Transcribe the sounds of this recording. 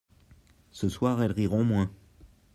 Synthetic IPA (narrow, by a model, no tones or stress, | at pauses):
səswaʁɛlʁiʁɔ̃mwɛ̃